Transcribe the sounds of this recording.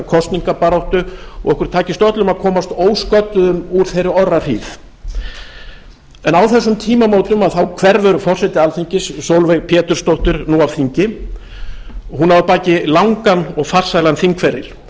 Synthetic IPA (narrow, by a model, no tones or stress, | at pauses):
kʰɔst̪niŋkapaɾowht̪ʏɔ̰ɣɛhkʏɾ̥t̪ʰaːcɪst̪œt̪lʏmaðkʰɔːmast̪oːwskœt̪ʏðʏmuɾ̥θejɾɪɔrːaɾ̥hiːθ | ɛnawθɛsːʏmt̪ʰiːmamowt̪lʏmaðθawkʰvɛɾvʏɾʏfɔr̥sɛt̪ɪalθiɲcɪsːowlvɛɣpʰɛːt̪ʏɾ̥st̪owht̪ʏɾnuawθiɲcɪ | ɔɦunavʏpaːcɪlawŋkanɔɣfar̥sajlanθiŋkʰfɛɾɪ̰l̥